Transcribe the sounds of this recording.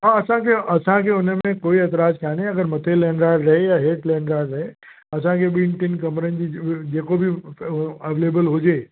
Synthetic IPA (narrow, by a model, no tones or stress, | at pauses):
ɦãɐsãkʰeʔɐsãkʰeʊnəmẽkoːiɐt̪ɾaːd͡ʒkʰaːneɐɡəɾmɐt̪ʰeleːnɾaːɾɾɐɦejaɦeːʈleːnɖɾaːɾɾɐɦe | ɐs̬ãkʰeɓinʈɪnkɐmɾənd͡ʑid͡ʑeːkobʱi | əʋelebəlɦʊd͡ʑe